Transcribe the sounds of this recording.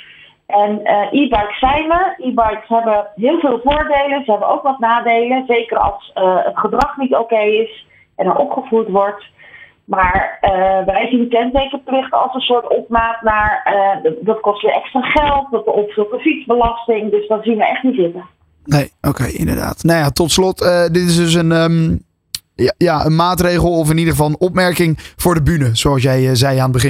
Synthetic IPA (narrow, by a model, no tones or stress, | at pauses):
ʔɛnəʔibɑjksɛjnəɹibɑjksəɦɛbəəɦɪːlˠvɪːlˠvʊːɹdejlənzəɦɛbənowkʋɑt̚naːdejlənzejkərɑ̰lˠsəətχədrɑχnitowkejɪs | ʔɛnɛɹʔɔpχəvutʋɔɹt | maːɹəʋɛjzindəkɛntejkərplɪχtɑ̰lˠsənsʊːɹtɔpmaːtnaːɹədɑtkɔstʋɪʔɛkstraχɛlˠtdɔtəɔpfulˠfənfitzbəlɑstɪŋdɵsdɔtzinʋəɛχtnitzɪtə | nejʔokejɪ̰ndə̰ɹda̰ːtnajatɔtslɔtədɪtɪsdøs̬ənə | jaənmaːtrejχəlˠɔfɪnidəχəvɑlˠənɔpmɛɹkɪŋv̥ʊːɹdəbynəz̥oɑlˠs̬jɛjzɛjaːnəd̚bəχɪn